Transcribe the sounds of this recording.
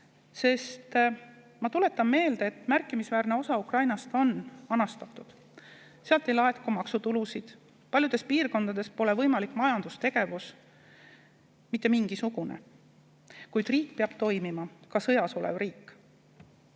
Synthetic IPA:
se̞st̪ | mɑt̪ule̞t̪ːˑɑmme̞ːld̪eːt̪ːˑmærkːˑimisvæːrne̞o̞sɑukrɑjnɑst̪o̞nɑnɑst̪ɑt̪ːˑud̪̥ | seɑlt̪ːe̞jlɑet̪kumɑksut̪ulusid̪̥ | pɑlʲjud̪e̞spiːrko̞nd̪̥ɑd̪̥e̞spo̞le̞vɤjmɑlikːˑmɑjɑnd̪ust̪e̞ɡ̥e̞vus | mit̪ːe̞miŋɡ̥isuɡ̥une̞̰ | kujd̪̥riːk̚ːpeɑb̥t̪o̞jmimɑkɑsɤjɑso̞lḛvriːkːˑ

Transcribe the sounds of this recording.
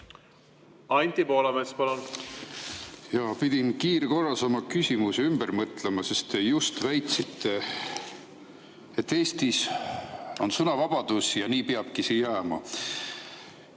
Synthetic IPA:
ɑnʲt̪ʲipo̞ːlɑmespɑlon | jɑpid̪̥ʲinkiːɾeko̞rːɑsɑmɑkysʲimuseymbəɾmɤt̪ˑlemɑse̞st̪ejust̪væjt̪sit̪ːe | et̪ːeːst̪is | o̞nsɤnɑvɑb̥ɑd̪̥usjɑniːpeɑb̥̚kisijjæːmɑ̰

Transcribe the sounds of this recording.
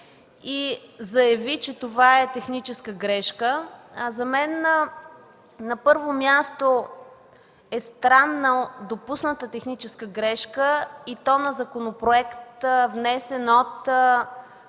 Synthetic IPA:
izɐjɐvit͡ʃɛt̪ovaɛt̪ɛxnit͡ʃɛskəɡɾɛʃkəzɐmɛn | nɐpɤɾvomʲjast̪o | ɛst̪ɾanːəd̪opusnət̪ət̪ɛxnit͡ʃɛskəɡɾɛʃkəit̪ɔnɐzɐkonopɾoɛkt̪vnɛsɛnot̪

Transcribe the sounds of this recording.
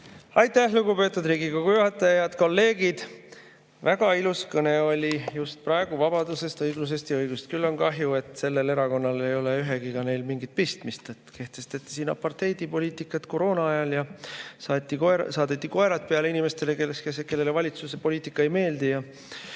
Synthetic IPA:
ɑjt̪ːˑæhluɡupe̞t̪ːˑud̪riːɡikoɡ̥ujuɦɑt̪ːˑɑjɑjɑd̪̥ko̞lːe̞ːɡid̪̥ | væɡɑiluskɤne̞o̞lʲijust̪̚pɾɑeɡ̥uvɑb̥ɑd̪use̞st̪ɤjɡlus̬est̪jɑɤjɡ̥ust̪kylːo̞nkɑɦjue̞t̪ːˑse̞lːe̞le̞ɾɑko̞nːɑle̞jo̞leyɦe̞ɡ̥ikɑne̞jlmiŋɡit̪̚pist̪mist̪et̪ke̞ht̪e̞st̪e̞t̪ːˑi̥siːnːɑ̰pɑrt̪e̞jd̪ipo̞lʲiːt̪ˑikːˑɑt̪ko̞ɾo̞ːnɑɑjɑljɑsɑt̪ːikoesɑːd̪et̪ːiko̞e̞ɾɑt̪̚peɑleinime̞st̪e̞lekeseke̞lːe̞levɑlʲit̪suse̞po̞liːt̪ikːˑɑejme̞ːld̪ijɑ

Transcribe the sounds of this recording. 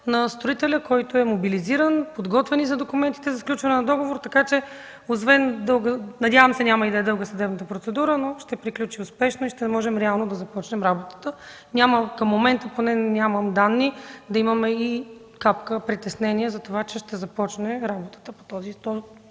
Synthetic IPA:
nɐst̪ɾoit̪ɛlʲəkɔjt̪oɛmobiliziɾənpod̪ɡɔt̪vɛnizɐd̪okumɛnt̪i̥t̪ɛzɐfklʲut͡ʃvɐnɛnɐd̪ɔɡovoɾt̪ɐkat͡ʃɛ | ozvɛnd̪ɤlˠɡənɐd̪ʲjavəmsɛnʲamɐid̪ɐɛd̪ɤlˠɡəsɐd̪ɛbnət̪əpɾot̪sɛd̪uɾənoʃt̪ɛpɾiklʲut͡ʃiʊspɛʃnoiʃt̪ɛmɔʒɛmɾɛalˠnod̪ɐzɐpɔt͡ʃnɛmɾabot̪ə̥t̪ə | nʲaməkɐmːomɛnt̪əponɛnʲamɐmd̪anːid̪ɐimɐmɛi | kapkəpɾit̪ɛsnɛniɛzɐt̪ovat͡ʃɛʃt̪ɛzɐpɔt͡ʃnɛɾabot̪ə̥t̪əpo̥t̪ɔzit̪ɔ

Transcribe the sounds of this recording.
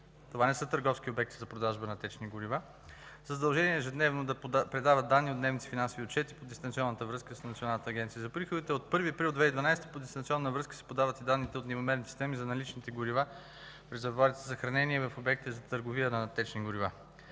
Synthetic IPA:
t̪ovanɛsɤt̪əɾɡɔfskiobɛk̚t̪i̥zɐpɾod̪aʒbənɐt̪ɛt͡ʃniɡʊɾiva | zəzɐd̪ɐlˠʒɛniɛːʒɛd̪nɛvnod̪ɐpɾɛd̪avət̪̚d̪anːiot̪nɛvnit̪ɛ̥finãnsoviot̪t͡ʃɛt̪i̥pod̪ɛst̪ɐnsiɔnːət̪əvɾɤskəssnɐt̪sionalˠnət̪əːɡʲɛnt̪sijəzɐpɾixod̪it̪ɛot̪̚pɤɾviɐpɾilˠd̪vɛid̪vɐnajsɛt̪ə̥pod̪ɛst̪ɐnt̪sʲɔnːəvɾɤskə̥sɛ̥pod̪avət̪id̪anːit̪ɛot̪nʲivomɛɾnisi̥st̪ɛmizɐnɐlit͡ʃnit̪ɛɡʊɾiva | pɾɛzɛvaɾit̪ɛzɐxɾɐnɛniɛvɐfobɛk̚t̪ɛzɐt̪əɾɡoviənɐt̪ɛt͡ʃniɡʊɾiva

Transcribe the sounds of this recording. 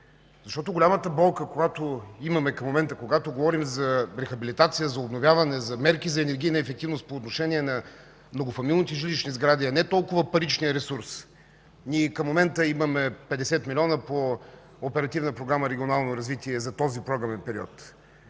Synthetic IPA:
zɐʃt̪ɔt̪̬ʊɡolʲamət̪əbɔlˠkəkoɡat̪oimɐmɛkɐmːomɛnt̪əkoɡat̪oɡovɔɾimzɐɾɛxɐbilʲit̪at̪sijəzɐobnovʲjavɐnɛzɐmɛɾkizɐɛnɛɾɡʲiːnɐɛfɛk̚t̪ivnost̪poːt̪noʃɛnʲiɛnɐ | mnoɡofɐmilˠnit̪ɛʒilit͡ʃnizɡɾad̪iɐnɛt̪ɔlˠkʊvəpɐɾit͡ʃnijəɾɛsuɾs | nʲiɛkɐmːomɛnt̪əimɐmɛpɛd̪ɛsɛt̪milʲɔnəpoː | pɛɾɐt̪ivnəpɾoɡɾaməɾɛɡʲionalˠnoɾɐzvit̪iɛzɐt̪ɔzipɾɔɡɾɐmɛnpɛɾiɔ̰t̪

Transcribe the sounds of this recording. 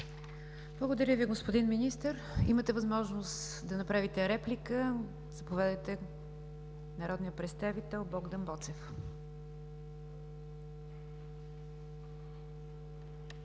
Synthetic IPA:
blˠəɡod̪əɾʲəviɡospod̪inminist̪əɾ | ḭmət̪ɛvɐzmɔʒnos | d̪ɐnɐpɾavit̪ɛɾɛplikə | z̥ɐpovɛd̪əjt̪ɛ | nɐɾɔd̪nijəpɾɛt̪st̪avit̪ɛlˠbɔɡd̪ənbɔt̪sɛf

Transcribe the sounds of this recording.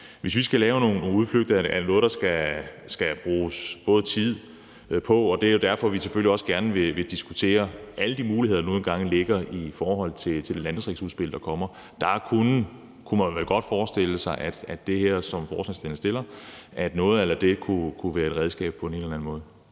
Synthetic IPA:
ʋe̝sʋisɡ̥ælɛːʊno̝ːnːo̝ːuð̞ˠfløɡ̥̚d̥ɐæænɔ̽ːð̞̩ˠd̥ɑ̈sɡ̥æsɡ̥æb̥ʁuːsb̥ɔ̽ːð̞̩ˠt͡sʰið̞̰ˠ | pʰɒ̽ɒ̽d̥e̝æɐjo̝d̥æɐfɒ̽ʋiseføl̰iɒ̽səɡ̥æɐnəʋe̝ʋe̝d̥isɡ̥ut͡sʰe̝̰ːɐʔæləd̥imuːliheð̰ˠdno̝ːn̩ɡ̥ɑ̈ŋ̰le̝ɡ̥ɐifɒːɦɒ̽l̰t͡sʰe̝t͡sʰe̝ld̥e̝læn̥əsʁiɡ̥suð̞ˠsb̥e̝l̰̥ˠɑ̈kʰɒ̽m̰ɐ | d̥ɑ̈kʰun | kʰumænʋæɡ̥ɒ̽d̥fɒːsd̥el̰əsɑ̈ɪʔæd̥æd̥e̝heɐ̰sɒ̽mfɒːsænsd̥en̩sd̥e̝l̰ɐʔæd̥nɔ̽ːð̞̩ˠelɐd̥e̝kʰukʰuʋæːɐe̝d̥ʁɛð̞ˠsɡ̥ɛ̰ːb̥pʰɒ̽e̝ne̝nlɐæn̩mɔ̽ːð̞ˠ

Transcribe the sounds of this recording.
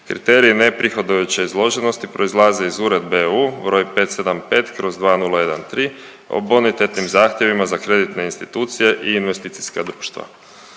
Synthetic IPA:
kɾḭt̪e̞ːɾiːne̞pɾʔixo̞d̪ojut͡ɕeizlˠo̞ʒeno̞st̪ipɾo̞izlˠaːze̞izuːɾe̞d̪̚beuːbɾo̞jpe̞t̪se̞d̪ampe̞ːt̪kɾo̞zd̪ʋaːnulˠaje̞d̪ant̪ɾiː | o̰bonit̪e̞t̪nimzaːxt̪je̞ʋimazakɾe̞d̪it̪ne̞inst̪it̪uːt̪sije̞ʔiːnʋe̞st̪it̪si̥skad̪ɾuːʃt̪ʋa̰

